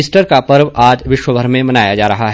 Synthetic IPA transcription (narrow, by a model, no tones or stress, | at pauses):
ɪsʈəɾkapɐɾʋaːd͡ʒʋɪʃwəbʱɐɾmẽmɐnaːjad͡ʒaːɾɐɦaɦɛ